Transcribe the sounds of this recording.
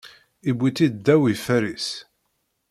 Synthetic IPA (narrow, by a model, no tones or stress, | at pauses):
ibʷːit̪ːid̪d̪ːæwifæɾis